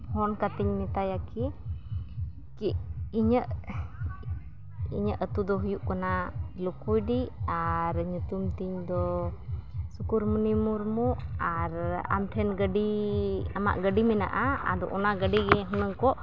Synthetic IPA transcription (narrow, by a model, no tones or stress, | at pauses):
hɔnkat̪iɲmɛt̪ajaki | kiiɲəʔ | ḭɲəʔət̪ud̪ɔɦujuʔkanalukujɖiaɾɲut̪umt̪iɲd̪ɔ | sukuɾmunimuɾmuʔaɾa̰mʈʰɛnɡəɖiama̰ʔɡəɖimɛna̰ʔaa̰d̪ɔ̰ʔɔnaɡəɖiɡɛɦunəŋkɔʔ